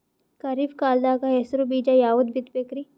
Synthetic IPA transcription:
kɐɾifkaːld̪aːkaɦesɾobiːd͡ʒajaːud̪bɪt̪pekɾi

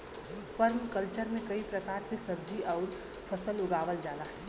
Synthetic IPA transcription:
fəɾmkəlt͡ʃəɾmẽkɐipɾəkaːɾk̪esɐbd͡ʒiʔɔːʊɾ | pʰəsəlʊɡaːʋəld͡ʒaːnaɦɛː

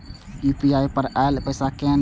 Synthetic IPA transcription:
upiaːjpəɾʔaelpəjsakɛ̃n

